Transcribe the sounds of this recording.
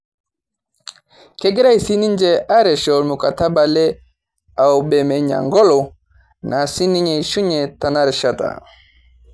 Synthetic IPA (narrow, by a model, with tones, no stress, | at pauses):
kɛ˦ɡɛ˦ɾa˦isi˦ni˦ɲd͡ʒɛʔa˦ɾɛ˨ʃɔlmu˨kata˦balɛ˦ | a˨wbɛ˨mɛ˨ɲa̰˨ŋɡɔ˦lɔ˨ | nʔa˨si˦ni˦ɲɛʃu˦ɲɛta˨naɾʃata̰˨